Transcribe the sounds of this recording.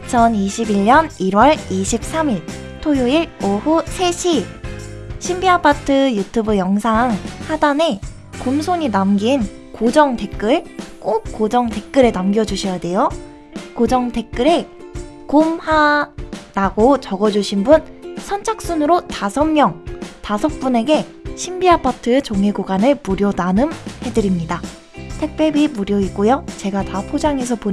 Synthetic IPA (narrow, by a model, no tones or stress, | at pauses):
it͡ɕʰʌniɕʰibiʎɲʌniɾwʌɭiɕʰip̚s͈amiɭ | tʰojoiɭohusʰe̞ɕʰi | ɕʰimbiapʰatʰɯjutʰubɯjʌŋsʰaŋhadane̞ | kumsʰoɲinamɡin | kod͡ʑʌŋte̞k͈ɯɭk͈ok̚k͈od͡ʑʌŋte̞k͈̚ɯɾenamɡjʌd͡ʑuɕʰijade̞jo | kod͡ʑʌŋtʰe̞k̚k͈ɯɾe | komha | ɾaɡot͡ɕʌɡʌd͡ʑuɕʰinbunsʰʌnt͡ɕʰak̚s͈unɯɾotasʰʌmjʌŋtasʰʌk̚p͈une̞ɡe̞ | ɕʰimbiapʰatʰɯt͡ɕoŋeɡoɡanɯɭmuɾjʌnanɯmhe̞dɯɾimɲida | tʰe̞k̚p͈jebimuɾjʌik͈ojot͡ɕe̞ɡatapʰod͡ʑaŋe̞s̬ʰʌpo